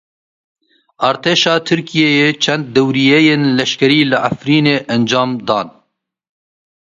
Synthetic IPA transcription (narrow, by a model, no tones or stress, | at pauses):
ʔɑːɾt̪ʰeːʃɑːt̪ʰɨɾkijeːjeːt͡ʃʰɛnd̪̚ːɛwɾiːjɛjeːnlɛʃkɛɾiːlɨʕafɾiːneːʔɛnd͡ʒɑːmd̪ɑːn